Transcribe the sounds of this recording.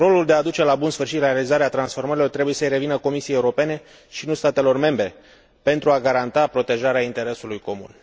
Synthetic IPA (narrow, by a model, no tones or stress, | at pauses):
ro̞luld̪e̞ad̪ut͡ʃe̞labunsfɨrʃit̪laɾealizaɾeat̪ɾansfo̞rməɾilo̞rt̪ɾe̞buje̞səjɾe̞vinəko̞misijejeuɾo̞pe̞ne̞ | ʃinust̪at̪e̞lo̞rme̞mbɾe̞ | pe̞nt̪ɾuaɡaɾant̪apɾo̞t̪e̞ʒaɾeaint̪e̞ɾe̞sulujko̞mṵn